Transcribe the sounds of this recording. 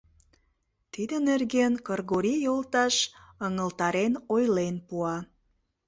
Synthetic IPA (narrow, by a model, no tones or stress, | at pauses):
t̪id̪ənerɣenkərɣoɾijolt̪ɑʃəŋəlt̪ɑɾenojlenpuɑ